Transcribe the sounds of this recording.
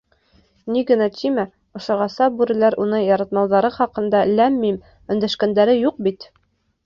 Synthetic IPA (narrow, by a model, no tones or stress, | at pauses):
niɡɘ̆næt̪ʰimæ | ŏʃŏʁɑsɑbʉɾɘ̆læɾunɤɴjɑɾɑt̪mɑwðɑɾɤχɑqɤ̆nd̪ɑlæmːim | ɵ̆nd̪æʃkænd̪æɾɘjuq̚bit̪